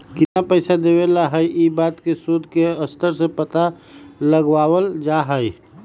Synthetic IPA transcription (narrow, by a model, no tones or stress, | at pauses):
kɪt̪napəɪsad̪ewelaɦəjʔibaːt̪kesud̪ʱkeəst̪ʰəɾsepət̪a | ləɡwaːwəld͡ʒaɦəj